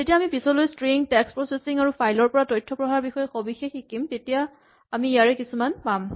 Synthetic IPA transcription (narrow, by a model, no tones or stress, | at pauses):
zetijaːmipisɔlojstɹiŋtɛkspɹɔsesiŋaɹupʰajlɔɹpɔɹatɔjtʰːɔpɹɔɦaɹbixɔjɛxobixexikimtetija | amiːjaɹɛkisumanpam